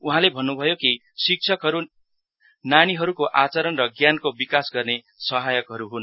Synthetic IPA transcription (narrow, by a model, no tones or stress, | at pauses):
uɦãlebʱʌnːubʱʌjoki | sik̚t͡ʃʰʌkɦʌɾu | naniɦʌɾukoʔat͡sʌɾʌnrʌɡjankobikasɡʌrne | sʌɦajʌkɦʌɾuɦun